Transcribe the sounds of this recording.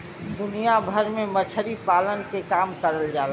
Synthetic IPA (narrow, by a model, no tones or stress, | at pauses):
d̪ʊnijabʱəɾmẽmət͡ʃʰəɾipaːlənkekaːmkəɾəld͡ʒaːl